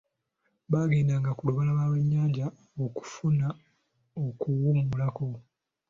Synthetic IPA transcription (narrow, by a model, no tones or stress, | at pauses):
βaɡiːndaŋɡakuluβalaβaːwe̞ɲːaɟa | oku̥funa | okuwumulako̞